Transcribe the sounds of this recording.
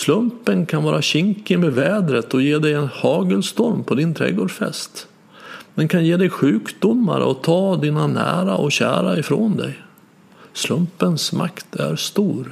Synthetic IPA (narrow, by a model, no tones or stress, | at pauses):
slɵmpənkʰanvɑːɾaɕɪŋkəmeːvɛːd̪ɾət̪ɔjeːd̪ɛjɛnhɑːɡəlst̪ɔɾmpʰɔd̪ɪnt̪ʰɾɛ̰ɡoːɖfɛ̰st̪ | d̪ɛnkʰanjeːd̪ɛjɧʉ̟ːkd̪ʊmːa̰ɾə̰ɔt̪ʰɑːd̪iːnanæ̰ːɾaʔɔɕæ̰ːɾaɪfɾond̪ɛ̰j | slɵmpənsma̰kt̪ʰæ̰ɾst̪uːɾ